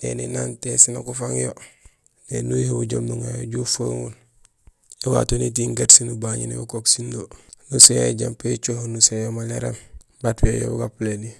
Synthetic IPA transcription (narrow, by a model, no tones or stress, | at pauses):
ḛninantesinakufaŋjo | nenujihuɟomnuŋajoɟufaŋwul | iwa̰tonit̬iŋɡetsinubaɲinḭjokoksindonusejɟampet͡ʃohnusejomaleɾem | batwejo̰buɡapleni